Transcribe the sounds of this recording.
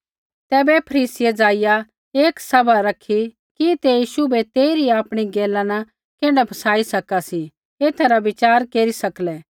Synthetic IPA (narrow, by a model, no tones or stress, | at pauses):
t̪ɛːbɛpʰɐɾiːsɪjed͡zaːɪja | eːksɐbaɾɐkʰi | kit̪ejiːʃubʱɛt̪eːiɾiaːpɽ̃iɡeːlãna | keːɽ̃apʰɐsaːisɐkasi | eːt̪ʰaɾaʋɪt͡ʃaːɾkeːɾisɐklɛː